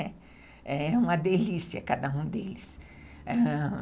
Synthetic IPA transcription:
ɛ | ɛɛũmɐd̪elisiɐ̰kad̪ɐũd̪elɪs | ɛ

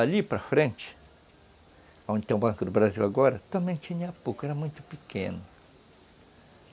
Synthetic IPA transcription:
alipɾɐfɾẽnt͡ʃɪ̥ | aõnd͡ʒɪt̪ẽbɐ̃ŋkʊd̪ʊbɾaziwaɡɔɾɐt̪ɐ̃mbẽj̃t͡ʃĩɲɐapukɛɾɐmũj̃t̪ʊ̥pikʰḛ̃nʊ

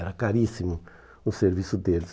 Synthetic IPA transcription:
ɛɾɐkaɾisimu | useɾvisud̪els

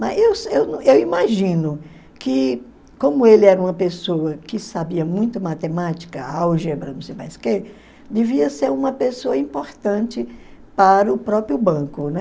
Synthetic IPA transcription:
mɐzewsewnɐ̃ewimaʒĩnʊ | kɪ | kõmʊelɪɛɾɐũmɐpesoɐkɪsabiɐmũj̃t̪ʊɐmat̪emat͡ʃi̥kɐawʒebɾɐnũsejpa̰jske | d̪eviɐseɾũmɐpesoɐĩpoɾt̪ɐ̃t͡ʃɪpaɾɐʊpɾɔpɾjʊbɐ̃kʊnɛ

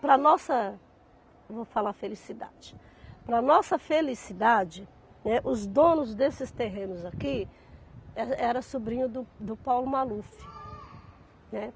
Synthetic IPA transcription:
pɾɐnɔsɐ | vofalafelisid̪a̰d͡ʒɪ̥ | pɾɐnɔsɐfelisid̪ad͡ʒɪ | nɛʔʊzd̪õnʊzd̪esɪst̪eɦẽnʊzaki | ɛɛɾɐsubɾĩɲʊd̪ʊd̪ʊpawlʊmalufɪ | nɛ

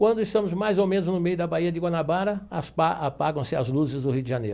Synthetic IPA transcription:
kwɐ̃nd̪ʊɪst̪ɐ̃mʊzmajzowmẽnʊznʊmejʊd̪ɐbaiɐd͡ʒɪɡwanabaɾɐɐspaapaɡɐ̃w̃sɪa̰zluzɪzd̪ʊhiwʊd̪ɪʒɐnḛjɾʊ

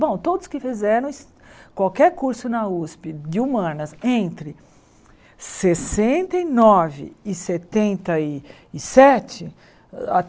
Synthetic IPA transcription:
bõw̃t̪od̪ʊskɪfizɛɾɐ̃w̃s | kwawkɛɾkuɾsʊnɐuspɪd͡ʒɪumɐ̃nɐsẽnt̪ɾɪ | sesẽnt̪ɐɪnɔvɪ̰ːset̪ẽnt̪ɐɪː | sɛt͡ʃɪ | a̰

